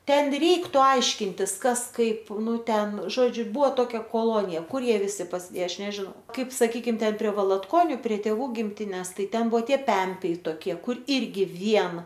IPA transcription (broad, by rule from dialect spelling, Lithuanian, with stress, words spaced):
ˈtʲɛn ˈrʲɛɪktʊ ˈɐɪʃʲkʲɪnʲtʲɪs ˈkɐs kɐɪp ˈnʊ ˈtʲɛn ˈʒoːd͡ʒʲʊ ˈbʊʋoː ˈtoːkʲɛ koːˈlˠoːnʲɪjɛ ˈkʊr ˈjiɛ ʋʲɪˈsʲɪ pɐsʲɪˈdʲeːjɛ ˈɐʃ nʲɛʒʲɪˈnɐʊ ˈkɐɪp sɐˈkʲiːkʲɪm pʲrʲiɛ ʋɐlˠɐtˈkoːnʲʊ pʲrʲiɛ tʲeːˈʋuː ɡʲɪmʲˈtʲɪnʲɛs ˈtɐɪ ˈtʲɛn ˈbʊʋoː ˈtʲiɛ ˈpʲɛmʲpʲɛɪ toːkʲˈiɛ ˈkʊr ˈɪrʲɡʲɪ ˈʋʲiɛn